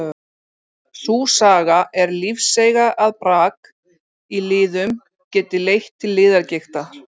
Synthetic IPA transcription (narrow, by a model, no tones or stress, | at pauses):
θusaːɣaʔɛɾlifsejɣaʔaðpɾaːk | ilɪːðʏm | cɛːt̪ɪlejxt̪ʰːɪlːɪːðaɾcejxt̪a